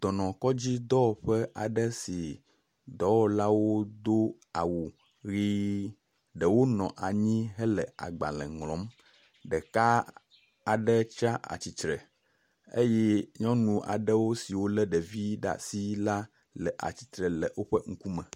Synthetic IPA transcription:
d̪̥ɔ˨nɔ̃˨kɔ˦d͡ʑi˦d̪ɔ˦˨ɸɛ˦ʔa˨ɖɛ˦si˨ | d̪ɔ˦wɔ˦la˦wo˦d̪o˦ | a˨wu˨ | ɣi˦ | ɖɛ˨wo˦nɔ̃˨ʔa˨ɲĩ˦ɦɛ˦lɛ˨a̰˨ɡ͡ba̰˨lɛ̰̃˨ŋlɔ̃˨˦m | ɖɛ˨ka˦ | a˨ɖɛ˦t͡ʃa˦ʔa̰˨t͡ɕi˨t̪ɾɛ˨ | ḛ˦jɛ˦ɲɔ̃˦nũ˨ʔa̰˨ɖɛ˦wo˦si˨wo˦lɛ˦ɖɛ˨vi˦ɖa̰˨si˦la˦ | lɛ˨ʔa̰˨t͡ɕi̥˨t̪ɾɛ˨lɛ˨wo˦ɸɛ˦ŋ̩˦ku˦mɛ̃˨

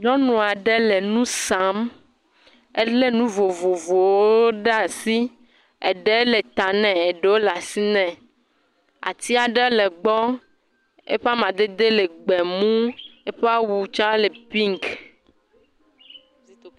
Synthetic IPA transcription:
ɲɔ̃˦nũ˨a˨ɖe˦le˨nũ˦sa˨˦m | e˦le˦nũ˦vo˨vo˨vo˨wo˦ɖa˨si˦ | e˨ɖe˦le˨t̪a˨nɛ̃˨e˨ɖe˨˦wo˦la˨si˦nɛ̃˨ | a̰˨t̪i˦a˨ɖe˦le˨ɡ͡bɔ˦ | ḛ˦ɸa˦mã˨d̪e˦d̪e˦le˨ɡ͡bɛ˨mũ˦e˦ɸe˦a˦wu˨t͡ʃã˦le˨pi˦ŋk

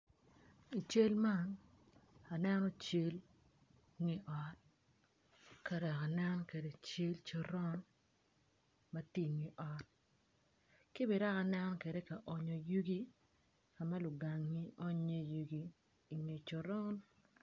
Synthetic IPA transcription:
i˨t͡ʃe˦lma˦ŋ | a˨nɛ˦nɔ˦t͡ʃe˦l | ŋi˨ʔɔ˨t̚ | ka˨ɾa˨ka˨nɛ˦nɔ˦ke˨de˨t͡ʃe˦lt͡ʃɔ˨ɾɔ˦n | mɐ˦ti˦˨ŋi˨ʔɔ˨t̚ | ki˦bɛ˨ɾa˦ka˨nɛ˦nɔ˦ke˨de˦ka˨ʔɔ˨ɲo˨ju˦ɡi˦ | ka˨ma˦lʊ˨ɡa˨ŋːi˦ʔɔ˦ɲe˦ju˨ɡiː˦˨ | ŋe˨t͡ʃɔ˨ɾɔ˦n

